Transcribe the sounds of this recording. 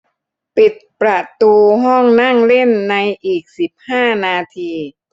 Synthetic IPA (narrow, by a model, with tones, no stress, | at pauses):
pi˨˩t̪̚pɾa˧t̪uː˧ɦɔ˥˩ŋna˥˩ŋle˥˩nːa˧jʔiː˨˩k̚si˨˩p̚haː˥˩naː˧t̪ʰiː˧